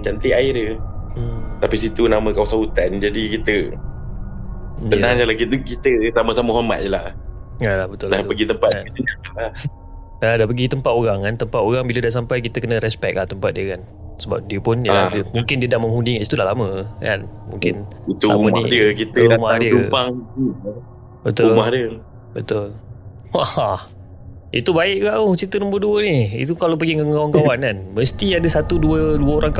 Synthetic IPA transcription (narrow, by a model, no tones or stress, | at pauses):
t͡ʃant̪eaɪɾjə | t̪apisit̪unamə̃kawasaut̪and͡ʒadikit̪ə | ənasalakit̪kit̪əsamasaməɦama̰t̪̚jəlah | alahbət̪uldahpəɡit̪əmpat̪̚inaaa | ladapəɡit̪əmpat̪oɾaŋkant̪əmpat̪oɾaŋbiladas̬ampajk̬it̪əkənə̃ɾɛspɛk̚laht̪əmpat̪̚diəkan | səba̰p̚diəpʊnjamũŋkɪndiədahməŋhundikaʔsi̥t̪udahlamə̃ka̰nmṵ̃ŋkɪnit̪ṵməidiəkit̪umahdiəa | bət̪ʊlmahdiə | bət̪ʊl | a | ḭt̪ubaɪʔ̚ɡaʔot͡ʃit̪ənũmbərduəniḭt̪ukalawp̬əɡiŋəŋawŋkawankanməst̪iadəsat̪uduəduəoɾaŋka